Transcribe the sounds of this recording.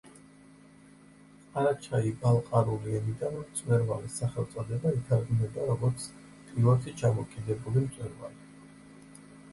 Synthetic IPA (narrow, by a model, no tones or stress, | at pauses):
aɾat͡ʃʰaibalˠqʼaɾuliɛnid̪anmt̪sʼwɛɾvalisːaχɛlˠt̪sʼɔd̪ɛbait̪ʰaɾɡunɛd̪aɾɔɡɔɾt̪sʰ | p̪ʼivat̪ʰit͡ʃʰamɔkʼid̪ɛbulimt̪sʼwɛɾva̰li